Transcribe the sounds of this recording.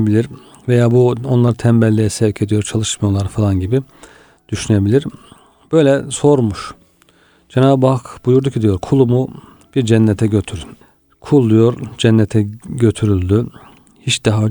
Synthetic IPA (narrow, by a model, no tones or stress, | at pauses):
bilʲiɾ | vejaːbuo̞nlˠaɾɯt̪ʰɛmbɛlʲːijɛsɛvcʰe̞d̪ijo̞ɾt͡ʃʰalˠɯʃmajolˠaɾfalˠanɟibi | d̪̥yʃynebilʲiɾ | b̥ø̞jlʲɛso̞ɾmuʃ | d͡ʒɛnaːbbakb̥ujuɾd̪ucʰid̪ijo̞ɾkʰulˠumu | b̥iɾd͡ʒɛnːɛt̪ʰɛɟøt̪ʰyɾ | kʰulˠːujo̞ɾd͡ʒɛnːɛt̪ʰɛɟø̞t̪ʰyɾylʲd̪y | hit͡ʃd̪̥aɦa